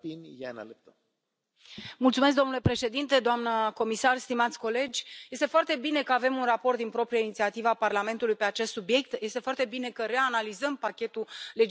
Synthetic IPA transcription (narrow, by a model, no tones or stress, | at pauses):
pinʲja̰na̰lep̚t̪əm | mult̪sumesk̚d̪onule̞pɾe̞ʃe̞d̪int̪e̞d̪oamnəko̞misarst̪imat̪sʲko̞le̞d͡ʒʲje̞st̪efoart̪e̞bine̞kəave̞munrapo̞rt̪d̪inpɾo̞pɾijainit̪siat̪ivaːparlame̞nt̪ulujpe̞at͡ʃe̞st̪subije̞k̚t̪je̞st̪e̞foart̪e̞bine̞kəɾe̞analizəmpakʲe̞t̪ule̞d͡ʒ